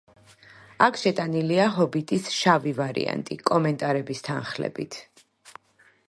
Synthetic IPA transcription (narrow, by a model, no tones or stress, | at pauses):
akʰʃɛt̪ʼaniliaɦɔbit̪ʼisʃavivaɾḭa̰nt̪ʼikʼɔmɛnt̪ʼaɾɛbist̪ʰa̰nχlɛ̰bḭt̪ʰ